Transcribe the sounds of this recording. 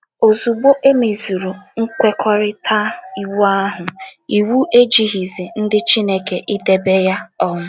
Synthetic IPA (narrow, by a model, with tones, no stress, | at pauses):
o˨zu˨ɡ͡bo˦ʔe˦me˨zu˨ɾu˨ŋ̩˦kʷe˦kʰɔ˦ɾɪ˦tʰa˦i˨wu˦a˦ɦʊ˨i˨wu˦ʔe˦d͡ʒi˨ɦi˨zi˨n̩˦dɪ˦t͡ʃi˦ne˦ke˨ʔɪ˦de˨be˦ja˦ɔ˦ŋʊ˦